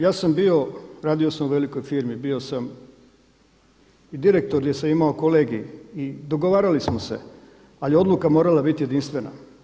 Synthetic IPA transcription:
jaːsambio̞ɾaːd̪ijo̞samuʋeliko̞jfiːɾmibio̞sam | id̪iɾe̞k̚t̪oɾdjesamimaokoleːɡiid̪oɡoʋaːɾalismose̞̰ | aljo̞d̪lˠukamoɾalabit̪je̞d̪inst̪ʋe̞na̰

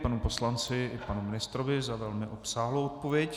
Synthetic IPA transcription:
panupo̞slant͡sɪɪpanumɪnɪst̪ɾovɪzavɛlmɪʔopsaːɦlowʔot̪̚povjɛc

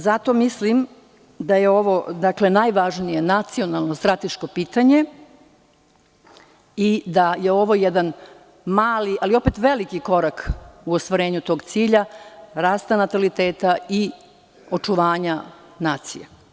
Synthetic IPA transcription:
zat̪o̞mislim | d̪aje̞o̞ʋo̞d̪akle̞najʋaʒnije̞nat̪sio̞nalˠno̞st̪ɾat̪eʃko̞piːt̪aɲe̞ | id̪aje̞o̞ʋo̞jɛd̪an | maːliʔalio̞pet̪ʋe̞likiko̞ɾakuost̪ʋaɾe̞ːɲut̪o̞ːɡt̪siːʎaɾaːst̪anat̪alit̪eːt̪ai | o̞t͡ʂuʋaːɲa | naːt̪sḭje

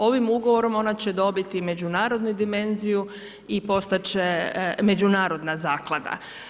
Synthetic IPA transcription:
o̞ʋimuɡoʋo̞ɾo̞mo̞nat͡ɕe̞d̪o̞bit̪ime̞d͡ʑunaːɾo̞d̪nud̪ime̞nziju | ipo̞st̪at͡ɕeme̞d͡ʒunaːɾo̞d̪nazaːklˠad̪a̰

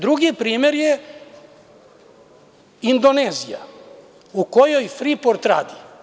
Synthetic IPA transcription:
d̪ɾuɡipɾiːme̞ɾje | ind̪oneːzija̰ | ukojojfɾipoɾt̪ɾa̰ːd̪i

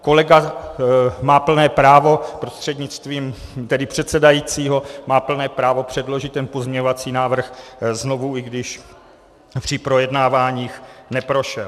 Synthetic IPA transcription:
ko̞lɛɡa | maːpl̩nɛːpɾaːvo̞pɾo̞st̪r̝̥ɛdɲɪt͡st̪viːmt̪ɛdɪpr̝̥ɛt̪sɛdajiːt͡siːɦo̞maːpl̩nɛːpɾaːvo̞pr̝̥ɛdlo̞ʒɪt̪ːɛnpo̞zmɲɛɲovat͡siːnaːvr̩xzno̞vuɪɡdɪʃ | pr̥ɪpɾo̞jɛdnaːvaːɲiːxnɛpɾo̞ʃɛl

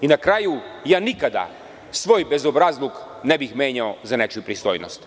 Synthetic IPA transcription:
inakɾajujaːnikad̪a̰ | sʋo̞ːjbe̞zobɾazlˠuk | nebixmeːɲaozane̞t͡ʃijupɾist̪o̞̰ːjno̰st̪

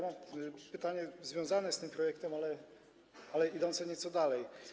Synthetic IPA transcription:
mapɘt̪aɲɛzvʲjɔ̃w̃zanɛst̪ɘmpɾɔjɛkt̪ɛmalɛ | alɛid̪ɔ̃nt̪sɛɲɛt̪sɔd̪alɛj

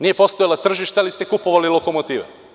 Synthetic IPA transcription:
nijepo̞st̪ojlˠat̪r̩ʒiʃt̪alist̪ekupo̞ʋalilˠoko̞mot̪iːʋḛ

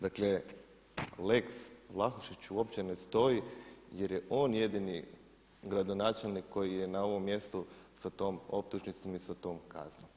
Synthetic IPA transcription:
d̪akle | le̞kslˠaxuʃit͡ɕuo̞pt͡ɕe̞ne̞st̪o̞ije̞ɾje̞ʔo̞ːnje̞d̪ini | ɡɾad̪o̞naːt͡ʃelˠnikʰːo̞jije̞nao̞ʋo̞mːje̞st̪usat̪o̞ːmo̞p̚t̪uʒnit̪somisat̪o̞ːmkʰa̰znom

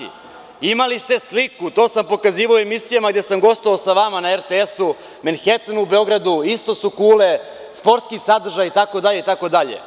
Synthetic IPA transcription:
imalist̪e̞slikut̪o̞ːsampo̞kaziːʋaoemisijamaɡd̪jesamɡo̞st̪oʋaːsaʋamanaeɾt̪eesu | menxet̪anube̞o̞ɡɾad̪uist̪o̞sukuːle | spo̞ɾt̪skisad̪r̩ʒajit̪ako̞d̪aʎe̞it̪ako̞d̪aʎḛ

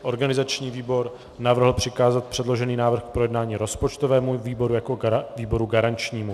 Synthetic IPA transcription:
ʔo̞ɾɡanɪzat͡ʃɲiːviːbo̞ɾ | navr̩ɦl̩pr̥ɪkaːzat̪̚pr̥ɛdlo̞ʒɛniːnaːvr̩xk̚pɾojɛdnaːɲiːɾo̞spot͡ʃt̪ovɛːmuviːbo̞ɾujako̞viːbo̞ɾuɡaɾant͡ʃɲiːmu

